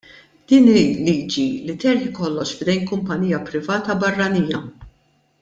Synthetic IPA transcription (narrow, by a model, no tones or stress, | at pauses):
d̪̥iːniliːd͡ʒilit̪ɛɾħɪkɔlːɔʃfd̪ɛjnkʊmpɐniːjɐpɾɪvɐːt̪ɐbɐrːɐniːjɐ